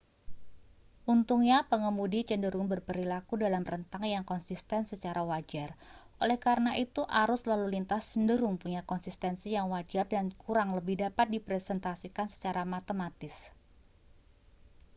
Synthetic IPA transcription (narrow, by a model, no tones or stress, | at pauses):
ʔunt̪uŋɲapəŋəmudit͡ʃəndəɾʊŋbərpəɾilakudalamrənt̪aŋjaŋkɔnsist̪ɛnsət͡ʃaɾawad͡ʒarʔo̰lɛhkaɾənaʔit̪uʔaɾʊslalulint̪ast͡ʃəndəɾʊŋpuɲakɔnsist̪ɛnsijaŋwad͡ʒardankuɾaŋləbɪhdapat̪̚dipɾɛsɛnt̪asikansə̥t͡ʃaɾamat̪əmat̪ɪs